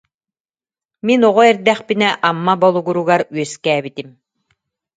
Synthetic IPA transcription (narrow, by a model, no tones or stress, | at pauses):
minɔʁɔɛɾd̪æχpinɛʔamːabɔlˠuɡuɾuɡaɾɥœskɛːbit̪im